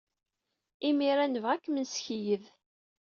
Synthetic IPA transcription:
imiɾænəvʁækːmənsçijəð

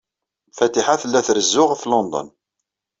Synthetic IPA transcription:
fæt̪iħaθəlːæθɾəzːʊʁflond̪ˤə̰n

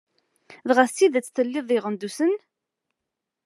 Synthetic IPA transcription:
ðʁasiðæt͡sːθəlːɪðˤɪʁənd̪usən

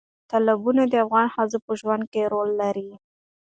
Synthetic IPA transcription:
t̪alabunad̪əafɣɑnhazəpəʒwand̪̚keɾolːaɾi

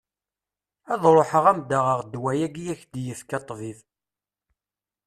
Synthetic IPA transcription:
æðˤɾˤoħəʁæmd̪əʁəʁd̪wæjæɡjæçd̪jəfkɑt̪ˤːviv

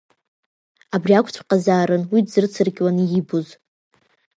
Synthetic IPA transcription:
abriakʷʰʼt͡ɕʷʰqʼazaːɾɨnwidzɨrt͡sʰɨrɡʲwanijibuz

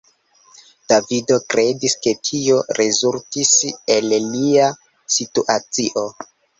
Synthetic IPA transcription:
d̥avido̞kɾʔe̞diske̞tʰio̞ɾe̞zultise̞llia | situʔat͡siʔo̞

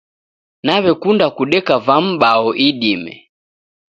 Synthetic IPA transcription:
naβɛkundakuɗɛkavam̩ɓaɔʔiɗimɛ̰

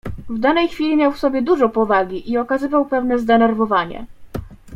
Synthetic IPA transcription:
vd̪anɛjxfʲilʲimʲjawfsɔbʲjɛd̪uʐɔpɔvaɡʲiʔiɔkazɘvawpɛvnɛzd̪ɛnɛɾvɔvaɲɛ̰

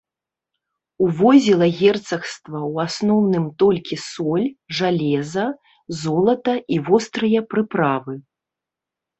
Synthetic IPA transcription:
uvɔzʲilˠɐɣʲɛrt̪sɐxst̪vɐwasnɔwnɨmt̪ɔlʲkʲisɔlʲʐalʲɛzɐ | zɔlˠɐt̪ɐivɔst̪ɾɨjɐpɾɨpɾavɨ

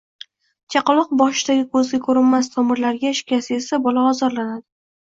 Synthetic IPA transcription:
t͡ʃʰɑqɨlˠɒq̚bɒʃɪd̪aɡʲɪkʰɵzɡʲakʰɵɾɪnmas̬t̪ʰɒmɪɾlaɾɡʲaɪʃkʲasɪe̞sabɒlaɒzɒɾlanad̪ɪ

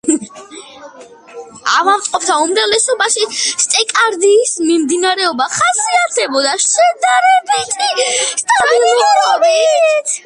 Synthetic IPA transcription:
a̰vaɾt̪ʼqʼɔp̚ʰt̪ʰaumɾavlɛsɔbaʃist̪ʼɛkʼaɾd̪iːsmimd̪inaɾɛɔbaχasiat̪ʰɛbɔd̪aʃʃɛd̪aɾɛbit̪ʼist̪ʼabilˠuɾɔbit̪ʰ

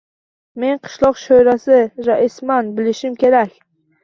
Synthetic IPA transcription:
me̞nqʰɨ̥ʃlˠɒqʃojɾasɪɾaʔɪsmanbɪlɪʃɪmkʲʰe̞ɾakʲ

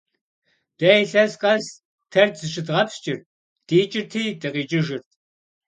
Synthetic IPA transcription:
d̥ɐjɬɐzqʼɐz | tʰɐrzɨʃɪdʁɐpst͡ʃʼɪr | d̥iːt͡ʃʼɪrtʰiːdɨqʼiːt͡ʃʼɪʒɪrt̚ʰ

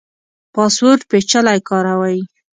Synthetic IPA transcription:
pɑspoɾʈpet͡ʃalajkɑɾawaji

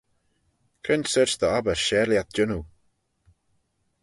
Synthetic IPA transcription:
kʰɪnsəɹt͡ʃðəɔbəʃɛːliat̪̚d͡ʒʊnu

